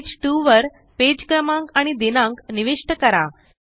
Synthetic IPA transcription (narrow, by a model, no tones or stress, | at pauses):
d͡ʑʈuʋəɾ | ped͡ʑkɾəmãŋkaɽ̃id̪enãŋkniʋeʂʈəkəɾa